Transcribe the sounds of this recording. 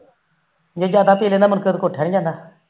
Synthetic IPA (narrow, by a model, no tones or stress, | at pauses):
d͡ʒeːd͡ʒaːd̪aːpiːleːndamənkət̪koːʈʰeːɽĩd͡ʒãːnd̪aː